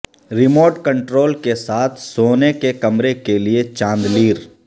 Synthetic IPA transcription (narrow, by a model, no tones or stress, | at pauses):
ɾɪmoːʈkə̃ɳʈɾoːlkesaːt̪ʰsoːnekekɐmɾekeliet͡ʃãːnd̪liːɾ